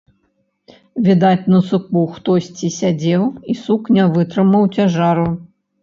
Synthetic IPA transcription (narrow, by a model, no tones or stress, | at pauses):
vʲid̪at͡sʲnɐsukuxt̪ɔsʲt͡sʲisʲad͡zʲɛwisuknʲavɨt̪ɾɨmɐwt͡sʲaʐaɾu